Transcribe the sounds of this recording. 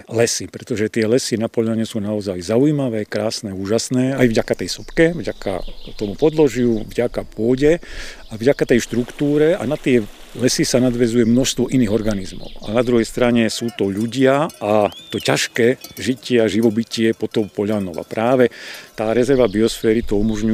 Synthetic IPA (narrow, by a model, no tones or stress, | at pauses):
lɛsipɾɛt̪ɔʒɛt̪ɪɛlɛsinapɔʎaɲɛsuːnaɔzajzauimaʋɛːkɾaːsnɛuːʒasnɛːajvɟakat̪ɛjsɔpkɛvɟaka̰t̪ɔmupɔd̪lɔʒɪuvɟakapʊɔɟɛ | avɟakat̪ɛjʃt̪ɾukt̪uːɾɛa̰nat̪ɪɛ | lɛsisanad̪ʋɛzujɛmnɔʃst̪ʋɔʔiniːɣɔɾɡanizmɔ̰ʊa̰nad̪ɾuɦɛjst̪ɾaɲɛsuːt̪ɔʎuɟɪaat̪ɔcaʃkɛːʒicɪɛaʒiʋɔbicɪɛpɔt̪ɔmpɔʎanɔʋa̰pɾʔaːʋɛt̪aːɾɛzɛɾʋabiɔsfɛːɾit̪ɔumɔʒɲu